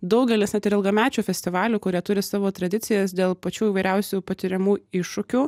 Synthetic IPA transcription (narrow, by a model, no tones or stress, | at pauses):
d̪ɒʊɡʲɛlʲɪsnʲɛt̪ʲɪɾɪlˠɡɐmʲæːt͡ʃʲuːfʲɛsʲt̪ʲɪʋɑːlʲuːkʊɾʲiɛt̪ʊɾʲɪsɑːʋoːt̪ɾɐd̪ʲɪt̪sʲɪjɛsd̪ʲeːlˠpɐt͡ʃʲuːiːʋɐɪɾʲæʊsʲupɐt̪ʲɪɾʲɛmuːɪʃːʊkʲuː